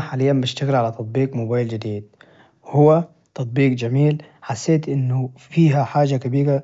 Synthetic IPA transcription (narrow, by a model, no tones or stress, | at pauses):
ħaːlɪjːambɪʃt̪aɣɪlʕalat̪ɑt̪̚ˤbiːqmʊbaːjld͡ʒɪd̪iːd̪̥̚ | whʊwːa | t̪ɑt̪̚ˤbiːqd͡ʒamiːlħasːeːt̪ʔɪnːʊfiːɦaħaːd͡ʒakabiːɣa